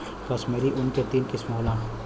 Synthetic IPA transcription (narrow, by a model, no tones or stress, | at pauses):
kɐsmeːɾiʔʊnket̪iːnkɪsmoːlãː